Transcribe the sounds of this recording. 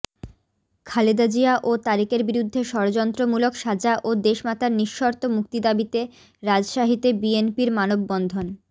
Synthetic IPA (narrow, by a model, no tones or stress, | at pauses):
kʰaled̪ad͡ʑiaʔot̪aɾikeɾbiɾud̪ʱːeʃɔɾod͡ʑɔnt̪ɾomulokʃad͡ʑaʔod̪eʃmat̪aɾniʃːoɾt̪omukt̪id̪abit̪e | ɾad͡ʑʃaɦit̪ebienpiɾmanobːɔnd̪ʱon